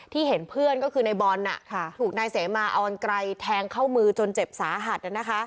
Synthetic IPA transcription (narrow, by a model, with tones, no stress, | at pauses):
t̪ʰiː˥˩he˩˦npʰɯ˥˩ənkɔː˥˩kʰɯː˧na˧jbɔː˧nːa̰˨˩ʔʰt̪ʰuː˨˩k̚naː˧jseː˩˦maː˧ʔɔː˧nkɾa˧jt̪ʰɛː˧ŋkʰa˥˩wmɯː˧t͡ɕo˧nt͡ɕe˨˩p̚saː˩˦ɦa˨˩t̪̚a˨˩na˦˥kʰa˦˥ʔ